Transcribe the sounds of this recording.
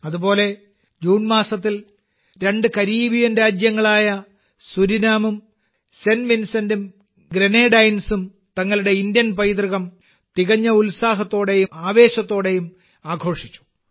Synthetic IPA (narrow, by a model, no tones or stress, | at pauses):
ɐðubo̞ːle̞ | d͡ʑuːnmaːsɐt̪̬ːil | ɾe̞ɳɖɨkɐɾiːbijɐnɾaːd͡ʑjɐŋːɐɭaːjɐ | suɾinaːmum | senʋinsɐndum | ɡɾeneːɖɐjnsum | t̪ɐŋːɐɭuɽe̞ind̪jɐnpɐjt̪riɣɐm | t̪iɣɐɲːɐulsaːɦɐt̪ːo̞ːɽe̞jumaːʋe̞ːɕɐt̪ːo̞ːɽe̞jum | aːɡʱo̞ːʂit͡ɕːu̥